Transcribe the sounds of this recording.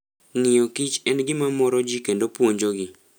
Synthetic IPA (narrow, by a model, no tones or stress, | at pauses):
ŋɪjɔkɪt͡ʃɛnɡɪmamɔɾɔd͡ʒikendopwoɲd͡ʒoɡɪ